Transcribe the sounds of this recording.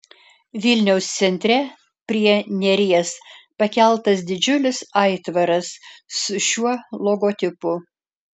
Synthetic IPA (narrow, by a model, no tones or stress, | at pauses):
ʋʲɪlʲnʲɛʊst̪sʲɛnʲt̪ʲɾʲɛ | pʲɾʲiɛnʲɛɾʲiɛspɐkʲɛlˠt̪ɐs̬d̪ʲɪd͡ʒʲʊlʲɪsɐɪt̪ʋɐɾɐsːʊʃʲuɔlˠoɡoːt̪ʲɪpʊ